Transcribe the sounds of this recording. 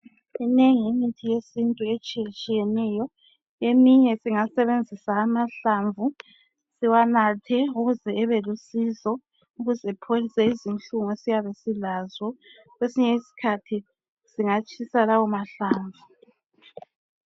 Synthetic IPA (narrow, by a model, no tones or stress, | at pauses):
ineŋiːmitʰijesintʼuet͡ʃʼijɛt͡ʃʼijɛnɛjɔ | emiɲɛsiŋasɛβend͡zʱisaːmaɬaɱvu | siwanatʰɛuɣuzɛːβɛlusizɔ | uɣuzɛpʰolisɛizint͡ɬuŋɔesijaβɛsilazwɔ | ɣwesiɲɛisi̥kʰatʰi | siŋat͡ʃʼisalawɔmaɬaːɱvu